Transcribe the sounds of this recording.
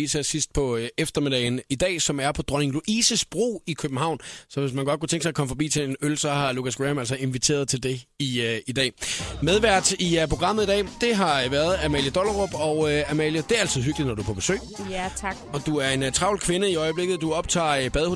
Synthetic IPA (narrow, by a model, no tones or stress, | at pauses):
isæsisd̥̚pʰɒ̽efd̥ɐme̝d̥ɛɪnid̥ɛ̰ːsɒ̽mæɐpʰɒ̽d̥ʁɒne̝ŋluʔiːsəsb̥ʁo̝̰ːikʰøb̥n̩hɑ̈ʊ̰nsɒ̽ʋe̝s̬mænɡ̥ɒ̽d̥kʰut͡sʰeŋɡ̥sɑ̈ɪɐkʰɒ̽məfɒ̽b̥ḭːt͡sʰe̝enølsɒ̽hɑ̈lukæsɡ̥ʁɛmælsɒe̝nʋit͡sʰe̝̰ːɐð̞̩ˠt͡sʰe̝ld̥e̝iid̥ɛ̰ːmeðˠʋæɐ̰d̥ipʰʁo̝ɡ̥ʁɑ̈m̰ð̩ˠid̥ɛ̰ːd̥e̝ɦɑ̈ʋæːɐð̞ˠæmɛ̰ljəd̥ɒlʁob̥ɒ̽ʊøæmɛljəd̥e̝æɐælt͡sʰið̩ˠɦyɡ̥lid̥nɒd̥ɾuæɐpʰɒ̽b̥e̝sø̰̥ː | ɒ̽d̥uæɐe̝nt͡sʰʁɑ̈ʊlkʰʋe̝nəiɒ̽ɪəb̥le̝ɡ̥ð̩ˠd̥uɒ̽b̥̚t͡sʰɑ̰̈ːb̥ɛðˠho